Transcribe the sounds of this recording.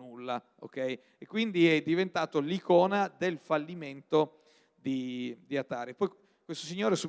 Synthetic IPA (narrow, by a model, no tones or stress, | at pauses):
nulːa | o̰kɛj | ekːwind̪iɛd̪ːivent̪aːt̪olikɔːnad̪elfalːiment̪o | d̪id̪iat̪aːɾepːɔj | kwest̪osiɲːoːɾesu